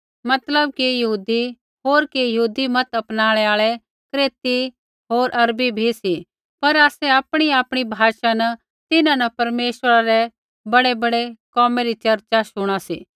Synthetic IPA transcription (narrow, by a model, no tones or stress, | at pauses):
mɐt̪ləb̚kijɐɦuːd̪i | ɦoːɾkijɐɦuːd̪imɐt̪ɐpnaːɭɛaːɭɛ | kɾeːt̪i | ɦoːɾʔɐɾbibʱisi | pɐɾaːsɛaːpɽ̃iaːpɽ̃ibʱaːʃanɐ | t̪ɪnãnɐpɐɾmeːʃəɾaɾɛ | bɐɽebɐɽekɔːmeɾit͡ʃɐɾt͡ʃaʃʊɽ̃asḭː